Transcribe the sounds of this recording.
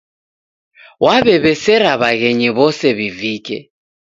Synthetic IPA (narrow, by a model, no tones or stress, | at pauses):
wʔaβɛβɛsɛɾaβaɣɛɲɛβɔsɛβivikʼɛ̰